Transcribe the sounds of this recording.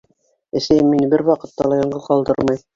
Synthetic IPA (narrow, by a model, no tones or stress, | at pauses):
ɘ̆sæjɘmːinbɘɾwɑqɤ̆t̪ːɑlˠɑjɑɴɢɤðqɑlˠd̪ɤ̰ɾmɑj